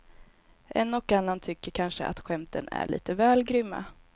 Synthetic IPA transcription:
ʔɛnːɔkːanːant̪ʰʏkːəɾkʰanʂəʔa̰t̪ɧɛmt̪ʰənæ̰ɭḭːt̪əvɛːlɡɾʏmːa̰

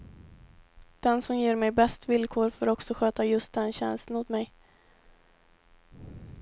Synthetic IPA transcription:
d̪̥ɛnsɔmjeːɾmɛjbɛst̪vɪlkʰoːɾfoːɾɔksɔɧøːt̪ajɵst̪̚d̪ɛnɕɛ̰nst̪ənʊːt̪mɛj

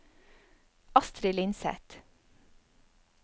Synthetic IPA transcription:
ɑst̪ɾɪlɪnsɛ̰t̪

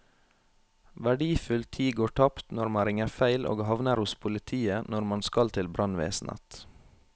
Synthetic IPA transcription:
ʋæɖiːfʉlt̪ʰiːɡoːʈʰɑpt̪nɔɾmɑɾɪŋəfæɪlʔo̰ːɡhɑʋnəɾhʊspʰʊlɪt̪ʰiːənɔɾmɑnskɑlt̪ʰɪlbɾʔɑnʋḛːsn̩ə̰t̪

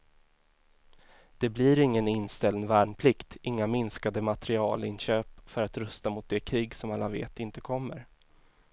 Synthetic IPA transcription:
d̪̥ɛblɪɾɪŋːənɪnːst̪ɛlnvæːɳpʰlɪkt̪ɪŋːamɪnskad̪əmat̪ɛɾɪɑ̰ːlɪnɕøːpfœɾat̪ɾœst̪amʊt̪̚d̪ɛkʰɾiːɡsɔmalːavḛːt̪ɪnt̪əkʰɔmːə̰ɾ

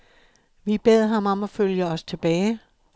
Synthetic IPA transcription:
ʋib̥eð̞̰ˠɦɑ̈mɒ̽mɒ̽føljəɒ̽st͡sʰe̝b̥ɛːɪ

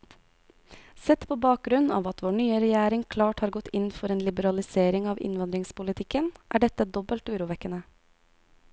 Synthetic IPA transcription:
sɛt̪pʰoːbɑːk̚ɡɾʉnɑ̰ːʋɑt̪ʋoːɳyːəɾɛjæːɾɪŋkʰlɑːʈhɑːɾɡɔt̪ʰːɪnfɔɾeːnlɪbəɾɑlɪseːɾɪŋɑːʋɪ̰nʋɑnd̪ɾɪŋspʊlɪt̪ʰɪkənʔæ̰ːɖɛt̪əd̪ɔbəlt̪ʉːɾuːʋɛkənə

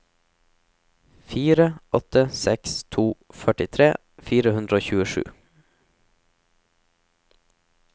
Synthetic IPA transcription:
fiːɾəʔɔt̪əsɛkst̪ʰuːfœʈɪt̪ʰɾeː | fiːɾəhʉnd̪ɾəoːçʉːəʃʉ̰ː

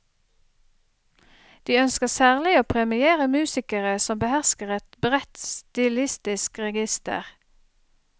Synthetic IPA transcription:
d̪̥iːœnskəsæːʁlɪoːpʰʁɛmɪeːʁəmʉːsɪkəʁəsɔmbəhæʁskəʁɛt̪bʁɛt̪st̪ɪlɪst̪ɪskʁɛɡɪst̪ə̰ʁ

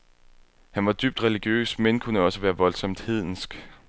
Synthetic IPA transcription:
hænʋɑ̈d̥yb̥̚d̥ʁɛliɡ̥jø̰ːsmenkʰunəɒ̽səʋæːɐʋɒ̽lsɒ̽m̰d̥heð̰ˠn̩sɡ̥

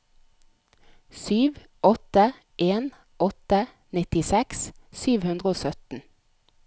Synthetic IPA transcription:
syːʋ | ʔɔt̪ə | ʔeːn | ʔɔt̪ə | nɪt̪ɪsɛkssyːʋhʉnd̪ʁəoːsœt̪n̩

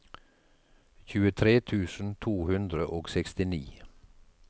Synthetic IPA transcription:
çʉːət̪ʰɾeːt̪ʰʉːsn̩t̪ʰuːhʉnd̪ɾəʔoːɡsɛkst̪ɪniː

